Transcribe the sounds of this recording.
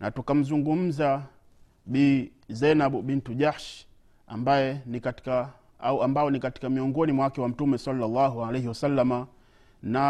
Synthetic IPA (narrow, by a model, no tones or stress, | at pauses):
nʔa̰tukam̩zuŋɡum̩za | ɓiː | zɛnaɓuɓintuʄahʃ | a̰mbajɛnikati̥ka | auambaɔnikati̥kamiɔŋɡɔnimwawakɛwam̩tumɛsalːalːaɦualehiwasalːama | na